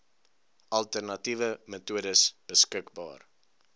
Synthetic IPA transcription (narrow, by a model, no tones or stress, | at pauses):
ʔɐlˠtərnɐtivəmətuədəsb̥əskəkbɑ̰ːr